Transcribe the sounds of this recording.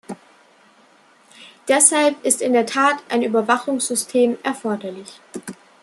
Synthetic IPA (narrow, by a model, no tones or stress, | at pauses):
d̥ɛshalpɪstɪndeːɐtʰaːtʔaɪnyːbɐvaχʊŋsz̥ʏstʰeːmʔɛɐfɔɐdɐlɪç